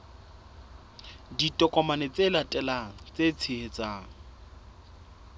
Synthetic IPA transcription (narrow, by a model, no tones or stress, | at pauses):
ditʼɔkʼɔmanet͡sʼelatʼɛlaŋ̩t͡set͡sʰɪhet͡saːŋ̩